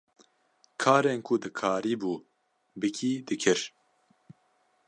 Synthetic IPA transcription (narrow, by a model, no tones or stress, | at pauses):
kʰaːɾeːnkʰʊd̪ɨkʰaːɾiːbuː | bɨkʰiːd̪ɨkʰɨɾ